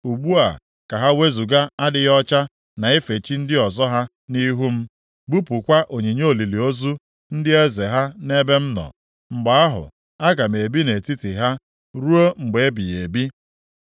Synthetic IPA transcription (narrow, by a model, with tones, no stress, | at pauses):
u˨ɡ͡bu˦a̰˨ | ka˨ɦa˦we˦zu˨ɡa˦a˦dɪ˦jɔ˦t͡ʃa˦ | na˨e˦fe˨t͡ʃi˦n̩˦dɪ˦ɔ˨zɔ˦ɦa˦ | ni˦ɦu˦m̩˦ | ɡ͡bu˦pu˨kʷa˦ʔo˨ɲe˨ɲo˦o˨li˨li˨o˦zu˦ | n̩˦dɪ˦e˦ze˨ɦa˦ne˦be˦m̩˦nɔ̰˨ | ŋ͡m̩˨ɡ͡ba˨a˦ɦʊ̰˨ | a˦ɡa˨m˨e˨bi˦ne˨ti˦ti˨ɦa˦ | ɾu˦o˦ŋ͡m̩˨ɡ͡be˨e˦bi˨je˨bi˦